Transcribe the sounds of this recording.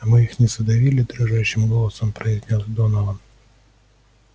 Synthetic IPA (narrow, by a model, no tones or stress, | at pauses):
mɨixnʲɪsɐd̪ɐvʲilʲɪd̪ɾʊʐaɕːɪmɡolˠɐsəmpɾɐɪzʲnʲosʲd̪onɐvɐn